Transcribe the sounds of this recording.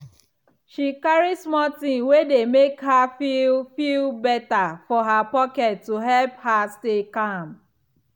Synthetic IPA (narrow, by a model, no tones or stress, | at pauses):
ʃikaɹismɔtĩnwedemekhafilfilbɛtafɔɦapɔkɛtːuɦɛlphastekãm